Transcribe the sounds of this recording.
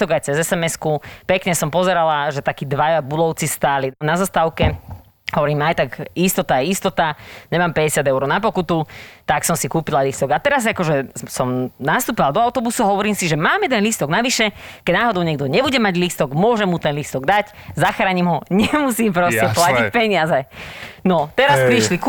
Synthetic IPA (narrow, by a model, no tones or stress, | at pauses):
t̪ɔɡajt͡sɛzɛsɛmɛskupɛkɲɛsɔmpɔzɛɾalaʒɛt̪akiːd̪ʋajabud̪ɔʊt͡sist̪aːlinazast̪aʊkɛ | ɦɔʋɔɾiːmajt̪aɡist̪ɔt̪aɛist̪ɔt̪aɲɛmaːmpɛɟɛsɪad̪ɛʊɾɔʊnapɔkut̪ut̪aksɔmsikuːpilalist̪ɔɡat̪ɛɾazakɔʒɛsɔmnast̪uːpiʋald̪ɔaʊt̪ɔbusuaɦɔʋɔɾiːmsiʒɛmaːmjɛd̪ɛnlist̪ɔɡnaʋiʃɛkɛɟnaːɦɔd̪ɔʊɲɛɡd̪ɔɲɛbuɟɛmaɟlist̪ɔɡmʊɔʒɛmut̪ɛnlist̪ɔɡd̪ac | zaxɾaːɲimɦɔɲɛmusiːmpɾɔstɛplacipɛɲɪazɛnɔt̪ɛɾasɾiʃlik